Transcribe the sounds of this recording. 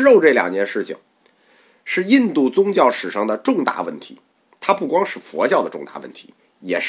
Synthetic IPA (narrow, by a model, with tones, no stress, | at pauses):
ɻo˥˧ʊʈ͡ʂɤ˥˩ljɑ̰˨˩ŋt͡ɕjɛ˥˧nʂɻ̩˥˩t͡ɕʰḭ˨˩ŋ | ʂɻ̩˥˧i˥˧nt̪u˥˩t͡sʊ˥ŋt͡ɕjɑ˥˩ʊʂɻ̩˨˩ʂɑ˥˩ŋd̪ə˩ʈ͡ʂʊ˥˧ŋt̪a̰˥˩wə̰˥˩nt̪ʰḭ˧˥ | t̪ʰa˥pu˥˩kwɑ˥ŋʂɻ̩˥˩fwɔ̰˧˥t͡ɕjɑ˥˩ʊd̪ə˩ʈ͡ʂʊ˥˧ŋt̪a̰˥˧˩wə̰˥˩nt̪ʰi̥˧˥ | jɛ̰˨˩ʂ